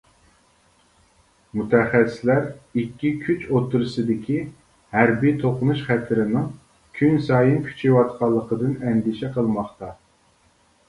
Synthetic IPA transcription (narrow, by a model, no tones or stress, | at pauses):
mut̪ʰɛχæsɪ̥slæɾikʲːikʲʰyt͡ʃot̪ʰːuɾɨsɨd̪ɪkʲʰi | hæɾbit̪ʰoqʊnuʃχæt̪ʰɪɾɪnɪŋ | kʲʰynsɑːjinkʲʰy̥t͡ʃʰiwɑt̪̚qʰɑlˠːəqəd̪ɨnɛnɡ̪ɪʃɛqʰəlˠmɑχt̪ɑ